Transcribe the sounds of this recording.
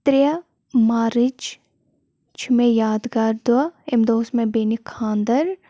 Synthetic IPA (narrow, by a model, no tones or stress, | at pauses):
t̪ɾijɐ | maːɾɪd͡ʒ | t͡ʃʰmejaːd̪ɡaːɾd̪uɐemd̪oːsmẽbeːnikʰãːnd̪əɾ